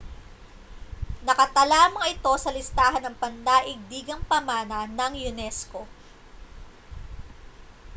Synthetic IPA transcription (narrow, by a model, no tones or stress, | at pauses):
nɐkɐt̪ɐlaːmɐŋɪt̪o̞sɐlɪst̪aːɦɐnːɐŋpɐnd̪aːʔɪɡ̚d̪iːɡɐŋpɐmaːnɐnɐŋjʊnɛsko̞